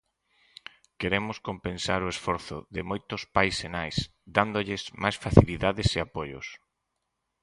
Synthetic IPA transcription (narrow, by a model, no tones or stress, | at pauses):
keɾemʊskompẽnsaɾʊesfɔɾθʊðɪmojt̪ʊspajsenajs | d̪and̪oʎɪzmajsfaθiliðaðɪseapojʊ̰s